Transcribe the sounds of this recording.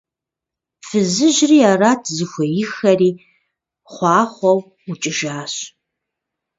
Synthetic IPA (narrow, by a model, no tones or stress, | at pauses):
fɨzɨʒriːaːraːtʰzɨxʷɔjɪxɐriː | χʷɑːχʷɔw | ut͡ʃʼɪʒaːɕ